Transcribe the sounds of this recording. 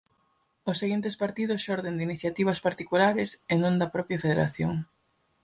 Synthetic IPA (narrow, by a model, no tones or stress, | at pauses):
ʊsːeɣint̪espaɾt̪iðʊsʃɔɾðend̪iniθjat̪iβ̞ɐspaɾt̪ikulaɾɪsenõnd̪ɐpɾɔpjɐfeðeɾa̰θjoŋ